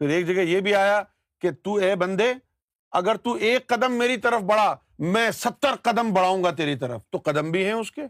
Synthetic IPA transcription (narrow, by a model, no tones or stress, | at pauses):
pʰɪɾeːkd͡ʒɐɡɛjebʱiaːja | ket̪uːɛːbɐ̃nd̪e | ɐɡəɾt̪uːeːkːɐd̪əmːeːɾit̪ɐɾəfbɐɽ̤a | mɛ̃ːsɐpt̪ːəɾqɐd̪əmbɐɽ̤aːũːŋɡat̪eːɾit̪ɐɾə̰ft̪oqɐd̪əmbʱiɦɛ̃ʊskeː